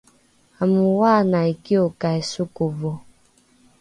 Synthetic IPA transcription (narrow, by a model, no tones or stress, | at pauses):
amuwanaikiokaisukovo